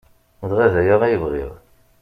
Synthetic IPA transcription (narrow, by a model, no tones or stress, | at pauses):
ðʁæðæjəʁæjəvʁḭðˤ